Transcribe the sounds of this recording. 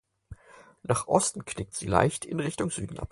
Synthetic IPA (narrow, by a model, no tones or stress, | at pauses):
naːχʔɔstn̩kʰnɪk̚tz̥ḭːla̰ɪçtɪnʁɪçtʊŋz̥yːdn̩ʔa̰p̚